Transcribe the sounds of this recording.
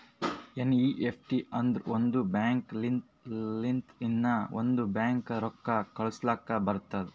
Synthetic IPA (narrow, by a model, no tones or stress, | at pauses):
eniːʔepʰʈiɐnd̪ɾond̪ubaːŋklint̪lint̪inːɐo̰nd̪ubaːŋkɾɔkːɐkɐɭuslakːɐbɐɾt̪ad̪ɛ